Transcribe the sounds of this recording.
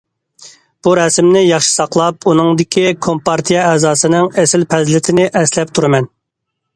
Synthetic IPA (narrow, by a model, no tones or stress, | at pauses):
b̥uɾɛsmnɪjɑχʃi̥sɑqlˠɑpunɨŋd̪ɪkʲikʰompɑɾt̪ʰijɛɛːzɑːsɨnɨŋɛsɪlpʰɛzlɪt̪ʰɪnɪʔɛslɛp̚t̪ʰuɾɨmɛn